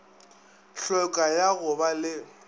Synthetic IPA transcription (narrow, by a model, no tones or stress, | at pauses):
ɬɔkʼajaɣʊbalɪ